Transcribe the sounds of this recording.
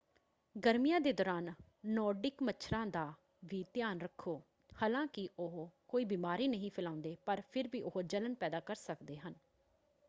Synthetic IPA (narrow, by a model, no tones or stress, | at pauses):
ɡəɾmijãːd̪eːd̪ɔːɾaːnː | ɔːɾɖɪkmət͡ʃʰɾãːd̪aː | ʋiːt̪jaːnɾəkʰːoː | haːlãːkɪʔʊɦkoːiːbiːmaːɾiːnəɦĩːpʰɪlãːʊnd̪eːpəɾpʰɪɾʋiːʔʊɦod͡ʒələnpɛːd̪aːkəɾsəkd̪eːɦən